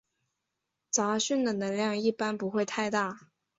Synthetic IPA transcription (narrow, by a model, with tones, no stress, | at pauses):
t͡sa˧˥ɕy˥˩nd̪ə˩nə˧˥ŋljɑ˥˧ŋi˥˩pa˥npu˧˥xwe˥˧ɪt̪ʰa˥˧ɪt̪a˥˩